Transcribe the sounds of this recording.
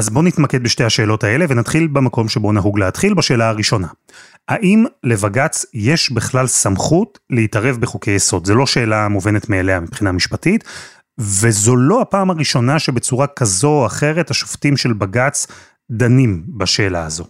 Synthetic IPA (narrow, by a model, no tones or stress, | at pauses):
ʔazbo̞nitmaked̪̚beʃte̞haʃe̞ːlo̞tae̞le̞venat̪χilbemako̞mʃebo̞naɦuɡleatχilbaʃe̞ːlaaʁiʃo̞na | haʔimle̞vaɡat͡sjeʃbiχlalsamχut | leitaʁe̞vbeχoke̞jeso̞dzelo̞ʃe̞ːlamove̞ne̞tmeːlehamipχinamiʃpatit | vezo̞lo̞apaːmaʁiʃo̞naʃe̞bet͡suʁakazo̞aχe̞ʁe̞thaʃoftimʃe̞lbaɡat͡s | d̪animbaʃe̞ːlaazo̞